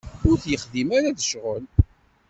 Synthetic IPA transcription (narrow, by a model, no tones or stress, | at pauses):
ʊɾθjəχðimaɾaðəʃʁəl